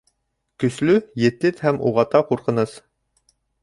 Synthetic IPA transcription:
kɵ̆slʉjɘ̆t̪ɘt̪hæmṵʁɑt̪ɑquɾqɤ̆nɤz

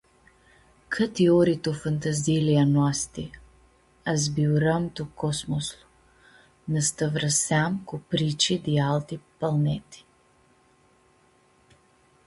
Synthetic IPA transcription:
kʰət̪iɔɾit̪ofɐnt̪ɐzilianoast̪i | ɐzbiuɾəmt̪okɔsmoslˠʊ̥ | nɐst̪əvɾəsamkʊpɾit͡ʃid̪ialˠt̪ipɐlˠnɛt̪i̥

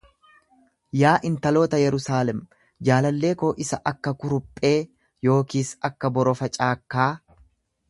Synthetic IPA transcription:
jaːʔɪnt̪ɐlo̞ːt̪ɐjɛɾʊsaːlɛm | d͡ʒaːlɐlːe̞ːko̞ːʔɪsɐʔɐkːɐkʊɾʊpʼːe̞ː | jo̞ːkiːsɐkːɐbɔɾɔfɐt͡ʃʼaːkːaː

